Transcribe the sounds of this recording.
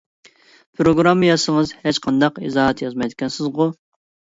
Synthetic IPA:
pʰɾoɡɾɑmːɨjɑsəŋəzhet͡ʃqʰɑnd̪ɑqḭzɑːɦɛt̪jɑzmɑjd̪ɪkʲɛnsɪzʁʊ

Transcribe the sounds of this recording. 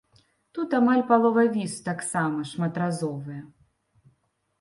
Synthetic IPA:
t̪ut̪amalʲpalˠɔvɐvʲist̪aksamɐʂmɐt̪ɾazɔvɨjɛ

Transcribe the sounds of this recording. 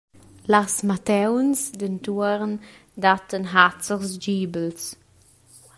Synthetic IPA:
lasmatɛwnsdəntuəʁn | datənɦat͡səʁsd͡ʒiːbəls

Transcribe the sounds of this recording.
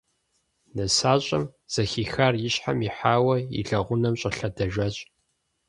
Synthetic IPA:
nɐsaːɕʼɐmz̥ɐxiːxaːrjɪɕħa̰miħaːwɐḭɮɐʁʷʊnɐmɕʼɐɬɐdɐʒʷɐɕʼ

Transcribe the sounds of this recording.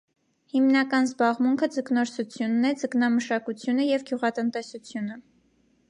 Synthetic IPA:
himnɑkɑnzbɑʁmuŋkʰəd͡zəknɔɾsut͡sʰjunːɛd͡zəknɑməʃɑkut͡sʰjunəjɛvɡjuʁɑt̪ənt̪ɛsut͡sʰjunə

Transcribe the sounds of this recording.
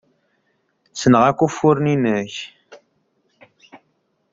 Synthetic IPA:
sənəʁakʷːufːʊɾninəç

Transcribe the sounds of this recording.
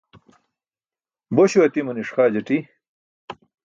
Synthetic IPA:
boɕuɐt̪imuniʂχaːd͡ʑɐʈi

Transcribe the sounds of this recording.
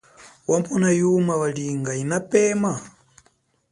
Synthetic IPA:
wampʰɔnajumawaliŋɡainapɛːma

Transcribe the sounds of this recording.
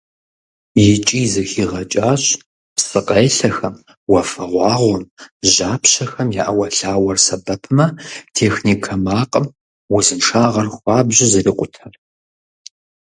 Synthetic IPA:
jɪt͡ʃʼiːzɐxiːʁɐt͡ʃʼaːɕʼ | psɨqʼejɬɐxɐm | wɐfɐʁʷɑːʁʷɔmʒaːpʰɕɐxɐmjaːʔɐwɐɬaːwɐrsɐbɐpʰɨmɐtʰeːxniːkʰɐmaːqʼəm | wʊzɨnʂaːʁɐrxʷɑːbʑɪzɨriːqʷʼʊtʰɐr

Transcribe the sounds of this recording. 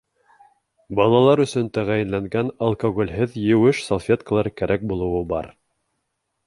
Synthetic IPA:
bɑlˠɑlˠɑɾɵ̆sɵnt̪æʁæjɘ̆nlæŋɡænɐlˠkoɣolʲɦɘðjɘ̆wɘʃsolˠfʲet̪kəlˠɑɾkæɾʔæk̚bulˠɤ̆wɤbɑ̰ɾ

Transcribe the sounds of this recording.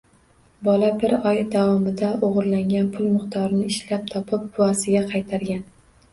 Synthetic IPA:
bɒlabɪɾɒjd̪avɒmɪd̪aʔoʁɾlaŋɡʲanpʰʊlˠmɨqt̪ʰɒɾɪnɪɪʃlap̚t̪ʰɒpʰɪp̚bʊasɪɡʲaqʰɑjt̪ʰaɾɡʲan

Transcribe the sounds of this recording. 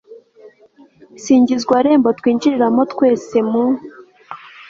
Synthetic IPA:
siːɲɟizɡwaɾe̞ːmbotkwiːnd͡ʒiɾiɾamotkwe̞ːse̞mu

